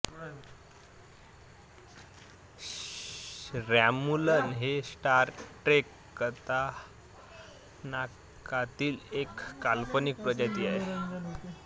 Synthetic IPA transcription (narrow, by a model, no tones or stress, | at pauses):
ɾæmulənɦesʈaɾʈɾekːət̪a | na | kat̪iːlekːalpənik̚pɾəd͡ʑat̪iːaɦe